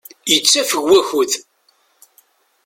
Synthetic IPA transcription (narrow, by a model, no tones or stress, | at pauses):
jət͡sːæfəɡʷːæçuð